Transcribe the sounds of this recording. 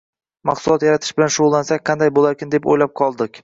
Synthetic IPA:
mɑqsʊlˠɒt̪jaɾat̪ʰɪʃbɪlanʃʊʁʊlˠːansak̚ʲqʰɑnd̪ajbolaɾkʲɪnd̪e̞po̰jlap̚qʰɒlˠd̪ɪkʲ

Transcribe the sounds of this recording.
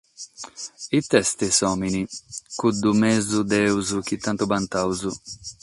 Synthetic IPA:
it̪ɛst̪esɔminikud̪umɛzud̪ɛwzuk̟it̪ːant̪ubant̪awzu

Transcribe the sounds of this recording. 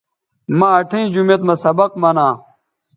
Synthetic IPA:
maɐʈʰẽːd͡ʑumet̪mɐsɐbɐqmɐnãː

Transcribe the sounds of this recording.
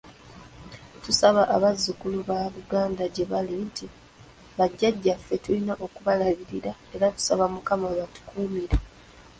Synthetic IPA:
tusaβaʔaβazːukuluβaːβuɡaːndaɟe̞βalintʰi | βaɟːaɟːafːe̞tulinaʔo̞kuβalaɣiɾiɾae̞ɾatu̥saβamukamaβatu̥kʰuːmiɾa

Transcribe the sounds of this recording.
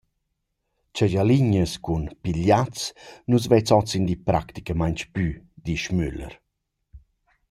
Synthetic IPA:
t͡ʃaɟaliɲəskunpiʎat͡snus̬vɛt͡sɔt͡sind̪ipɾakt̪i̥kamaɲt͡ʃpyd̪iʃmylə̰ɾ

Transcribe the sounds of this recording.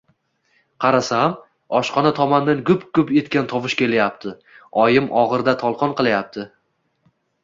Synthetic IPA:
qʰɑɾasam | ɒʃqɒnat̪ʰɒmand̪anɡʊpkʊpe̞t̪kʲant̪ʰɒvɪʃkʲʰe̞lajap̚t̪ʰɪ | ɒjɪmʔɒʁɨɾd̪at̪ʰɒlˠqʰɒnqɨlˠajap̚t̪ʰɪ

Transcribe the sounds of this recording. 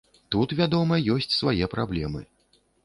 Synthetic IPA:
t̪ut̪vʲad̪ɔmɐjɔsʲt͡sʲsvajɛpɾablʲɛmɨ̰

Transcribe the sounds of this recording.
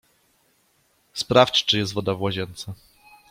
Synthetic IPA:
spɾaft͡ɕt͡ʂɘjɛst̪vɔd̪avwaʑɛnt̪sa

